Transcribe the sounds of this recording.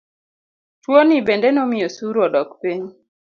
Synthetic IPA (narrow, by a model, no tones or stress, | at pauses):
twonibendɛnɔmɪjosuɾɔdɔkpiɲ